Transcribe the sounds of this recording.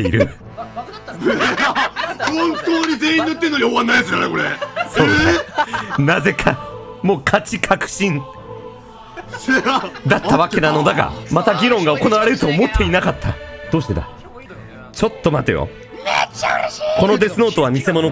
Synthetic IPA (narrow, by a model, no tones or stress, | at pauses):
eḭɾɯ̟̰ | hõnt̪oːɲ̟ize̞ːĩɲʲiot̪ːenːoɲʲioβanːaid̪esɨanḛkoɾḛsoːanaze̞kʰamo̞ːkʰat͡ɕikʰakɯ̟̥ɕĩŋ | d̪at̪ːaβake̞nano̞d̪aka̰mat̪aɡʲiɾõ̞ŋɡao̞ko̞naβaɾe̞ɾɯ̟t̪o̞ːmo̞t̪ʰːe̞inakat̪ʰːa̰d̪̥oːɕi̥t̪e̞d̪a̰ | t͡ɕo̞t̪ːo̞mat̪ejo̰ | ko̞no̞d̪e̞sɨno̞ːt̪oamʲise̞mo̞no̞